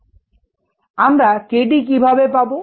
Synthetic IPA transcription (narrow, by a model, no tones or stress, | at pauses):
amɾakeɖik̬ibʱabepabo